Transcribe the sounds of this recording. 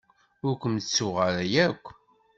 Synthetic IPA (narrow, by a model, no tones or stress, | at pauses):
ʊɾkʷəmt͡sːʊʁəɾæjækʷː